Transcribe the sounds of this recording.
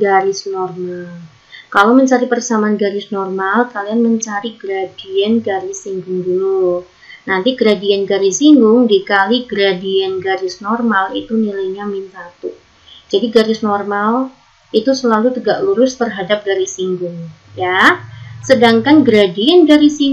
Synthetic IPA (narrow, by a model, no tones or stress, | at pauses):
ɡaɾɪsnɔrmal | kalawməɲt͡ʃaɾipərsamaanɡaɾɪsnɔrmalkalianməɲt͡ʃaɾiɡɾadiɛnɡaɾisiŋɡʊŋdulu | nant̪iɡɾadiɛnɡaɾisiŋɡʊŋdikaliɡɾadiɛnɡaɾɪsnɔrmalit̪unilajɲamint̪at̪uʔ | d͡ʒadiɡaɾɪsnɔrmal | it̪usəlalut̪əɡaʔluɾʊst̪ərɦadap̚ɡaɾisiŋɡʊŋ | ja | sədaŋkanɡɾadiɛnɡaɾisi